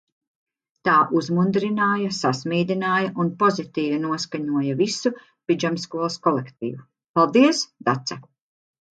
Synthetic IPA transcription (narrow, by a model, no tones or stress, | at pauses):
t̪aːʔuzmund̪ɾinaːjasasmiːd̪inaːjaʔunpɔzit̪iːvinuɔskaɲuɔjavisu | pid͡ʒamskuɔlˠskɔlekt̪̚ḭːju | palˠd̪iɛsd̪at̪sa